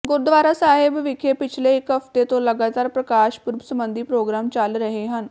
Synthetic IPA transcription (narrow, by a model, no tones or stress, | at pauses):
ɡoɾd̪ʋaːɾasaɦebʋikʰepɪt͡ʃʰleːkɦəft̪et̪oləɡat̪aːɾpɾəkaʃpuɾbsəmbənd̪ʱiːpɾoɡɾamt͡ɕalɾəɦeɦən